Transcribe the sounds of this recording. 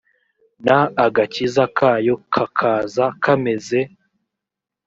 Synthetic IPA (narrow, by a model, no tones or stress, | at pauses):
naːɡacizakʰaːjo̞kʰakʰaːzakʰame̞ze